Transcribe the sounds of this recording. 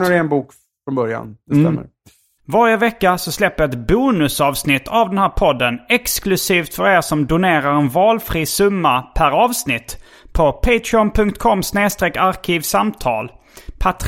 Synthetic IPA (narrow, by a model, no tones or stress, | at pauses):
əɾɪɛnbuːk | fɾɔnbœɾja̰nd̪ɛsɛ̰mːə̰ɾ | vaɾjəvɛkːasɔslɛpːəjaɛt̪buːnɵsɑːvsnɪt̪ʰːavd̪ɛnhæːɾpʰɔd̪ːənɛksklɵsiːft̪fœɾeːɾsɔmd̪ʊneːɾaɾɛnvɑːlfɾiːsɵmːapʰæɾɑːvsnɪt̪ː | pʰɔpʰeɪt̪ʰɾɪɔnpʰɵŋk̚t̪kʰɔmːsneːst̪ɾeːkaɾkʰiːvsamt̪ʰɑ̰ːl | pʰat̪ʰ